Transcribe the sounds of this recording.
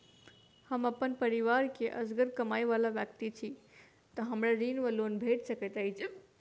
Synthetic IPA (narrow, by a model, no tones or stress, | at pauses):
həməpənpəɾiʋaɾkeʔə̰sɡəɾkəmajʋalabjək̚t̪it͡ʃʰi | t̪əɦəmɾaɾinʋəlonbʱeʈsəkət̪ajt͡ʃʰ